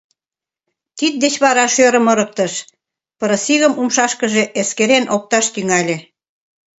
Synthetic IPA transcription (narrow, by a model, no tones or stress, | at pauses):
t̪it̪̚d̪et͡ɕβɑɾɑʃøɾə̆mɤ̆ɾək̚t̪əʃ | pɤɾə̆siɣə̆mumʃɑʃkəʒeʔeskeɾenʔok̚t̪ɑʃt̪yŋɑlʲe